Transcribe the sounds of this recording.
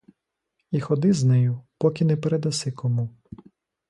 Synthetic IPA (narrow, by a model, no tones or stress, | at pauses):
ixɔd̪ɪznɛjʊpɔkʲinɛpeɾed̪ɐsɪkɔmu